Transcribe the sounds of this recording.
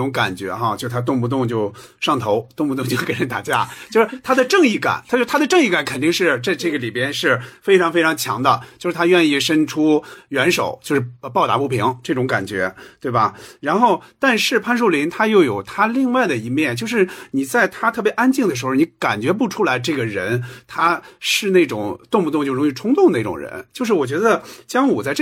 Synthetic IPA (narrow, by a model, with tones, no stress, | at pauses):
ʊ˧˥ŋka˨˩nt͡ɕɥɛ̰˧˥xa˥˧t͡ɕjo˥˧ʂʊ˩t̪ʰa˥t̪̬ʊ˥˧ŋpu˥˩t̪̬ʊ˥˧ŋt͡ɕjo˥˧ʊʂɑ˥˩ŋt̪ʰo˧˥ʊt̪ʊ˥˧ŋpu˧ʊ˥˧ŋt͡ɕo˥˧ʊke˧˥ɪɻə˧˥nt̪a̰˨˩t͡ɕja˥˩t͡ɕjo˥˧ʂɻ̩˥˩t̪ʰa˥d̪ə˨ʈ͡ʂɤ˥˧ŋi˥˩ka̰˨˩nt̪ʰa˥t͡ɕt̪ʰa˥d̪ə˨ʈ͡ʂɤ˥˧ŋi˥˩ka˨˩nkʰə˨˩nt̪i˥˧ŋʂɻ̩˥˧t͡sa˥˧ɪʈ͡ʂɤ˥˩ɡə˩li˨˩pjɛ˥nʂɻ̩˥˩fe˥ɪʈ͡ʂʰɑ˧˥ŋfe˥ɪʈ͡ʂʰɑ˧˥ŋt͡ɕʰjɑ̰˧˥ŋd̪ə˧t͡ɕjo˥˧ʊʂɻ̩˥˩t̪ʰa˥ɥɛ˥˧ni˥˩ʂə˥nʈ͡ʂʰu˥ɥɛ˧˥nʂo̰˨˩˦ʊt͡ɕjo˥˧ʊʂɻ̩˥˩pɑ˥˩ʊt̪a̰˧˥pu˥˩pʰi˧˥ŋʈ͡ʂɤ˥˩ʈ͡ʂʊ˧˥ŋka̰˨˩nt͡ɕɥɛ̰˧˥t̪we˥˩bɐ˩ɻa˧˥nxo˥˧ʊt̪a˥˧nʂɻ̩˥˧pʰa˥˧nʂ̬u˥˩li˧˥nt̪ʰa˥jo˥˩ʊjo˨˩ʊt̪ʰa˥li˥˧ŋwa˥˩ɪd̪ə˩i˧˥mjɛ˥˩nt͡ɕjo˥˧ʊʂɻ̩˥˩ni˨˩t͡sa˥˩ɪt̪ʰa˥t̪ʰɤ˥˩pjɛ˧˥ʔa˥nt͡ɕi˥˩ŋd̪ə˩ʂɻ̩˧˥xo˧˩ni˧˥ka˨˩nt͡ɕɥɛ˧˥p̬u˥˩ʈ͡ʂʰu˥la˧˥ɪʈ͡ʂɤ˥˩ɡə˩ɻə˧˥nt̪ʰa˥ʂɻ̩˥˧ne˥˩ɪʈ͡ʂʊ̰˨˩ŋt̪ʊ˥˧ŋmu˥˧ʊ˥˧ŋt͡ɕjo˥˩ʊɻʊ˧˥ŋ˥i˥˧ʈ͡ʂʰʊ˥ŋt̪ʊ˥˩ŋd̪ə˩i˥˩ʈ͡ʂʊ̰˨˩ŋɻə̰˧˥˦nt͡ɕjo˥˧ʊʂ̬ɻ̩˥˩wɔ˨˩t͡ɕɥɛ˧˥d̪ə˧t͡ɕjɑ˥ŋwɔ˨˩t͡sa˥˧ɪʈ͡ʂ